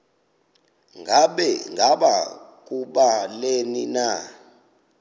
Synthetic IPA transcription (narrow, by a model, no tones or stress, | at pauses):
ŋɡʱaɓɛŋʱaɓak̬ʼuɓalenina